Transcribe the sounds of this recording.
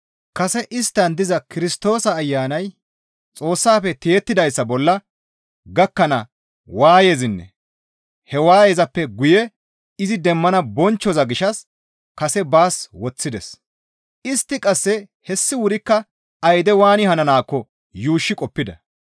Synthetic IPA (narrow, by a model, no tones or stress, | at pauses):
kɐsɛʔɪst̪ːɐnd̪ɪzɐkɪɾɪst̪o̞ːsɐːjːaːnɐj | t͡sʼo̞ːsːaːfɛt̪e̞ːt̪ːɪd̪ɐjsːɐbɔlːɐ | ɡɐkːɐnɐ | waːje̞ːzɪnːɛ̰ | hɛwaːjeːzɐpːɛɡʊjɛ | ɪzɪd̪ɛmːɐnɐbɔnt͡ʃːɔzɐɡɪʃɐs | kɐsɛbaːswɔt͡sːɪd̪ɛs | ɪst̪ːɪkʼɐsːɛ | hɛsːɪwʊɾɪkːɐ | ɐjd̪ɛwaːnɪhɐnɐnaːkːɔ | juːʃːɪkʼɔpːɪd̪ɐ